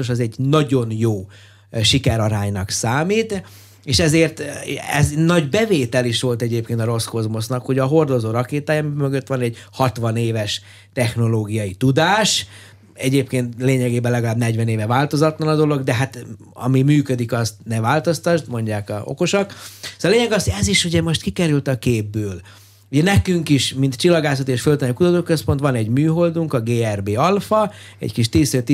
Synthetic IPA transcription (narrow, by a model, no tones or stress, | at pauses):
oʃɛzɛɟnɒɟo̞njoː | ʃikɛɾɒɾaːɲnɒksaːmiːt̪ | eːʃɛzeːrt̪ɛ̰znɒɟbɛveːt̪ɛliʃʋo̞lt̪ɛɟeːp̚keːnt̪ɒɾo̞sko̞zmo̞snɒkho̞ɟɒɦo̞rd̪o̞zoːɾɒkeːt̪aːjɒmimøɡøt̪ːʋɒnɛɟhɒt̪ʋɒneːvɛʃ | t̪ɛxno̞loːɡijɒjit̪ud̪aːʃ | ɛɟeːpkeːnt̪leːɲɛɡeːbɛnlɛɡɒlaːbnɛɟʋɛneːvɛvaːlt̪o̞zɒt̪lɒnɒd̪o̞lo̞ɡd̪ɛɦat̪ | ɒ̰mimyːkød̪ikɒst̪nɛvaːlt̪ost̪ɒʒd̪mo̞ɲɟaːkɒ̰o̰ko̞ʃoksːleːɲɛɡɒsoɟɛziʃuɟɛmo̞ʃt̪kikɛɾylt̪ɒkeːbːøːl | uɟɛnɛkyŋkiʃmint̪t͡ʃilːɒɡaːsot̪eːʃfølt̪ɛnɛikut̪ɒt̪oːkøspo̞nt̪ʋɒnɛɟmyːɦo̞ld̪uŋkɒɡeːɛrbeːɒlfɒɛ̰ckiʃt̪iːsøːt̪i